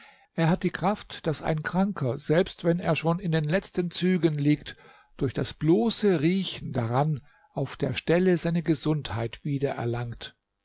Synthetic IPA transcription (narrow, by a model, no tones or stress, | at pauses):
ʔeːɐhat̚d̥iːkʁ̥aftd̥asa̰ɪnkʁ̥aŋkʰɐzɛlpstv̥ɛneːɐʃoːnɪndeːnlɛt͡stənt͡syːɡənliːkt | d̥ʊɐçd̥asb̥loːsəʁiːçn̩daʁan | ʔaʊfd̥eːɐʃtɛləzaɪnəɡəzʊnthaɪtv̥iːdɐʔɛ̰ɐlaŋkt